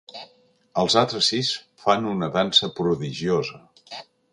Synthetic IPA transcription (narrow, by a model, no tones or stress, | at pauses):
əlˠzalˠt̪ɾəsis | fanunəðansəpɾuðiʒiozə